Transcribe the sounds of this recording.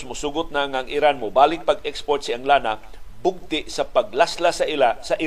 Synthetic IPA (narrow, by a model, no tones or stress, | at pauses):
smʊsuːɡʊt̪̚naŋaɐŋʔɪɾanmʊbaːlɪk̚pɐɡɛkspoɹt̪̚sɪɐŋlaːna | bʊɡ̚t̪ɪʔsɐpɐɡ̚laslasɐʔɪlasɐʔɪ